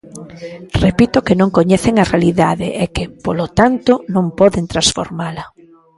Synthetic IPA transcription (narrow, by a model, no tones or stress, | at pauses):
repit̪okɪnõŋkoɲɛθeŋarealiðaðḛʔɛkɪpolot̪ant̪ʊnõŋpɔðent̪ɾasfo̰ɾmalɐ